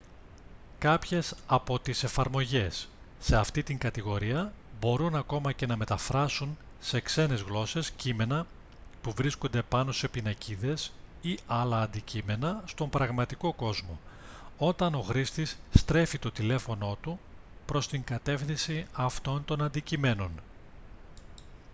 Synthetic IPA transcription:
kɐpçe̞sɐpo̞t̪ise̞fɐɾmo̞ʝe̞sː | e̞ɐft̪it̪iŋɡɐt̪iɣo̞ɾiɐbo̞ɾunɐko̞mɐce̞nɐme̞t̪ɐfɾɐsun | se̞kse̞ne̞zɣlo̞se̞scime̞nɐ | puvɾiskond̪e̞pɐno̞se̞pinɐciðe̞siɐlɐːnd̪icime̞nɐst̪o̞mbɾɐɣmɐt̪iko̞ko̞zmo̞o̞t̪ɐno̞xɾist̪isːt̪ɾe̞fit̪o̞t̪ile̞fo̞no̞t̪upɾo̞st̪iŋɡɐt̪e̞fθinsiɐft̪o̞nt̪o̞nɐnd̪icime̞no̞n

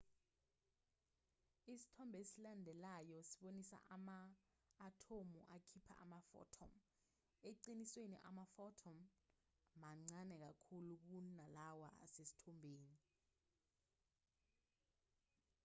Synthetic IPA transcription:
isi̥tʰɔmbʱesilandʱɛlajɔsi̥ɓonisa̰ʔamaː | tʰomuʔakʰipʰa̰ʔa̰mafɔ̰tʰɔ̰m | eǀiniswenḭʔa̰mafɔtʰɔm | maŋ͡ǀanɛk̬akʰuluk̬unalawa̰a̰sesi̥tʰɔmbʱeːni

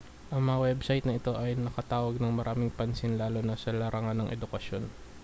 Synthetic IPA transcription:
ʔɐŋmɐŋɐwɛbsɐjt̪nɐɪt̪o̞ʔɐjnɐkɐt̪aːwɐɡ̚nɐŋmɐɾaːmɪŋpɐnsɪnlaːlo̞nɐsɐlɐɾɐŋanːɐŋʔɛ̰d̪ʊkɐʃjo̞n

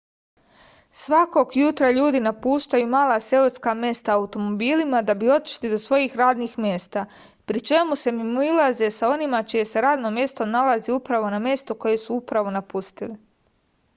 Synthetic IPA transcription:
sʋako̞ɡjut̪ɾaʎuːd̪inapuːʃt̪ajumaːlˠase̞oskamje̞st̪aaut̪o̞mo̞biːlimad̪abio̞t̪i̥ʃlid̪o̞sʋo̞jiːxɾaːd̪niːxmʲje̞ːst̪a | pɾit͡ʃe̞muse̞mimuilˠazesao̞nimat͡ʃije̞se̞ɾaːd̪no̞mje̞st̪o̞nalaziupɾaʋo̞namje̞st̪o̞ko̞je̞suupɾaʋo̞napust̪ili

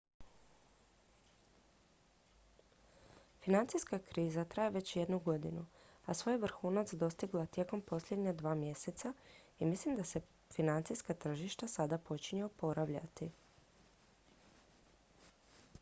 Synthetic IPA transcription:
finant̪sijskakɾiːzat̪ɾajeʋe̞t͡ɕje̞d̪nuɡo̞d̪inuasʋo̞jʋɾ̩xuːnat̪sd̪o̞st̪iɡlat̪je̞ko̞mpo̞slʎʲje̞d̪ɲad̪ʋaːmje̞se̞t̪sa | imislimd̪ase̞ | finant̪sijskat̪r̩ʒiʃt̪asad̪apo̞t͡ɕiɲeopo̞ɾaʋʎa̰t̪i

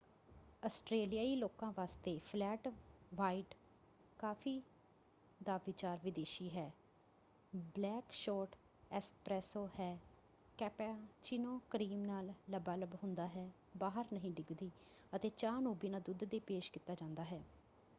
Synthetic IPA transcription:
əsʈɾeːlijaːiːloːkãːʋaːst̪eːpʰlɛːʈʋaːiːʈ | kaːpʰiː | d̪aːʋɪt͡ʃaːɾʋɪd̪eːʃiːɦɛː | blɛːkʃɔːʈ | ɛːspɾɛːsoːhɛː | kɛːpɛt͡ʃinõːkəɾiːmnaːlːəbaːləbɦʊ̃nd̪aːɦɛː | baːɦəɾnəɦĩːɖɪɡd̪iː | ət̪eːt͡ʃaːnuːbiːnaːd̪ʊd̪d̪eːpeːʃkit̪ːaːd͡ʒãːnd̪aːɦɛː

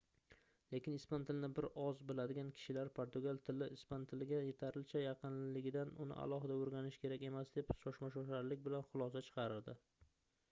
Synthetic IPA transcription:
le̞kʲɪnɪspant̪ʰɪlnɪbɪɾɒzbɪlad̪ɪɡʲankʲʰɪ̥ʃɪlaɾpʰoɾt̪ʊɡalˠt̪ʰɪlɪɪspant̪ʰɪlɪɡʲaje̞t̪ʰaɾɪlt͡ʃʰajɑqʰɨnlɪlɪɡʲɪd̪anʊnɪ̰ʔa̰lˠɒɦɪd̪aoɾɡʲanɪʃkʲʰe̞ɾakʲe̞masd̪e̞pʃɒʃmaʃɒʃaɾlɪkʲbɪlanχʊlˠɒsat͡ʃʰɨ̥qʰɑɾɪɾd̪ɪ

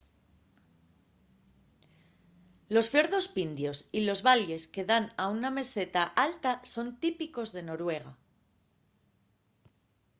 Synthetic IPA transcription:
lo̞sfje̞ɾðo̞spind̪jo̞silo̞zβale̞ske̞ðanauname̞se̞t̪aʔalt̪aso̞nt̪ipiko̞zðe̞no̞ɾwe̞ɣ̞a

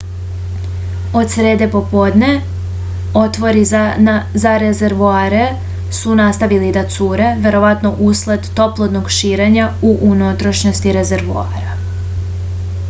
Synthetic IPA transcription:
o̞d̪sɾe̞ːd̪e̞po̞po̞d̪ne̞ | o̞t̪ʋo̞ɾi | zaɾezeɾʋuaːɾe̞ | sunast̪aʋilid̪at̪suːɾe̞ʋje̞ɾo̞ʋat̪no̞ʔuslˠed̪ːo̞plˠod̪no̞ɡʃiːɾe̞ɲauʔunot̪ɾoʃɲost̪iɾe̞zeɾʋua̰ːɾa

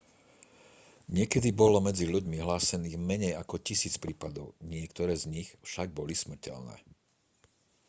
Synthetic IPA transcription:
ɲɪɛkɛd̪ibɔlɔmɛd͡ziʎuɟmiɦlaːsɛniːɣmɛɲɛjakɔcisiːt͡spɾiːpad̪ɔʊɲɪɛkt̪ɔɾɛːzɲixfʃaɡ̚bɔlismr̩cɛ̰lnɛ̰ː

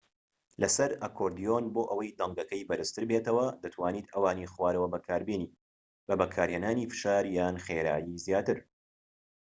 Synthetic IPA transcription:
lɐsɐɾʔɐkʰoɾd̪ijonboːʔɐwɐjd̪ɐŋɡɐkɐjbɐɾɨst̪ɨɾbeːt̪ɐwɐd̪ɐt̪ʰwaːniːt̪ɐwaːniːχwaːɾɐwɐbɐkʰaːɾbiːniː | bɐbɐkʰaːɾheːnaːniːfɨ̥ʃaːɾjaːnχeːɾa̰ːjizjaːt̪ɨɾ

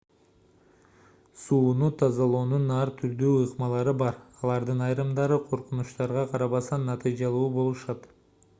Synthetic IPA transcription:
suːnut̪ʰɑzɑlˠo̞ːnunɑɾt̪ʰyɾd̪yːɯqmɑlˠɑɾɯbɑɾɑlˠɑɾd̪ɯnɑjɾɯmd̪ɑɾɯqʰo̞ɾqunuʃt̪ɑɾʁɑqʰɑɾɑβɑsɑnːɑt̪ɨjd͡ʒɑlˠuːbo̞lˠuʃɑt̪

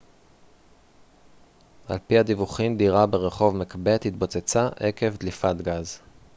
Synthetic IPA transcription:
ʔa̰lpiad̪ivuχimd̪iʁabeʁe̞χo̞vmekbe̞t̪hit̪bo̞t͡set͡saʔeke̞vd̪lifat̪ɡaz

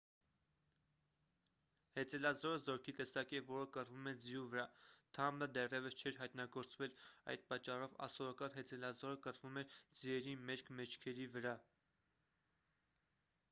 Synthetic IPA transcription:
hɛt͡sɛlɑzɔɾəzɔɾkʰit̪ɛsɑkɛvɔɾəkərvumɛd͡zjuvəɾɑt̪ʰɑmləd̪ɛrjɛvəst͡ʃʰɛɾɦɑjt̪nɑɡɔɾt͡svɛlɑ̰jd̪̚pɑt͡ʃːɑrɔvɑ̰sɔɾɑkɑnɦɛt͡sʰɛlɑzɔɾəkərvumɛɾd͡ziɛɾimɛɾkʰmɛt͡ʃʰkʰɛɾivəɾɑ

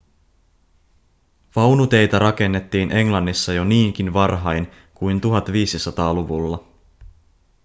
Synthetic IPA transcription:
ʋɑwnut̪e̞jt̪æɾʔɑk̟e̞nːe̞t̪ːiːnʔe̞ŋlɑnːisːɑjo̞niːŋk̟inʋɑrɦɑjn | kujnt̪uɦɑt̪ʋiːsisɑt̪ɑːluʋulːɑ

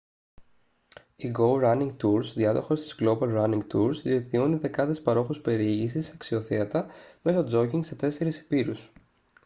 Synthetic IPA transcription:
iɡo̞wɾɐniŋɡ̚t̪uɾsðiɐðo̞xo̞st̪i̥zɣlo̞bɐlɾɐniŋɡt̪uɾzðiekt̪io̞niðe̞kɐðespɐɾo̞xuspe̞ɾiiʝisisɐksio̞θeɐt̪ɐme̞sod͡zo̞ciŋɡse̞t̪e̞se̞ɾisi̥piɾus

